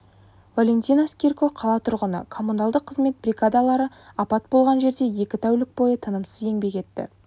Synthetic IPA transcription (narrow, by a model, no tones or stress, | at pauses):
valʲe̞nt̪ʲijnaskʲerkoqʰɑlˠɑt̪ʰʊɾʁənə̰kʰo̞mːunalˠd̪əqʰːəzme̞t̪̚brʲiɡad̪alˠɑɾə | ɑpɑt̪̚bo̞lˠʁɑnʒe̞ɾd̪e̞je̞kʲɪt̪ʰæwlɪk̚bo̞jət̪ʰənəmsəze̞ŋbe̞kʲe̞t̪ːɪ̰